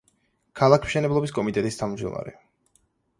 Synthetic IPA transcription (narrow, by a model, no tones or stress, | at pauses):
kʰalˠakʰmʃɛnɛblˠɔbiskʼɔmit̪ʼɛt̪ʼist̪ʰavmd͡ʒd̪ɔ̰ma̰ɾɛ